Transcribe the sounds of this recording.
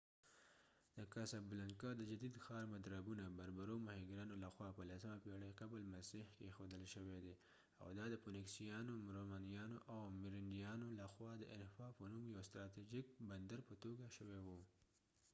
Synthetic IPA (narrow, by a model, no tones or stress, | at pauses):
d̪̥əkasablaŋkɑd̪əd͡ʒad̪id̪xɑɾmad̪ɾabunabaɾbaɾomahiɡɾɑnolaxwɑpəlasəmapeɽaqabəlmasihkexod̪əlʃəwed̪e | a̰wd̪ɑd̪əponɪksijɑnomɾomɑnijɑnoʔawmɪɾɪɳɖijɑnolaxwɑd̪əʔɪnfɑpənumjawst̪ɾɑt̪id͡ʒik̚band̪aɾpət̪oɡaʃəwewu